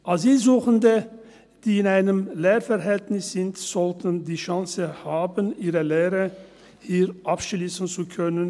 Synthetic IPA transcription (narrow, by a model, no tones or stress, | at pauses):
ʔaziːzuːχəndə | d̥iːɪnaɪnəmleːʁfɛʁɦɛltnɪsz̥ɪntz̥ɔltʰəndiːʃaŋsəhaːbənʔiːʁəleːʁə | hiːʁʔapʃliːsn̩t͡sukʰœnən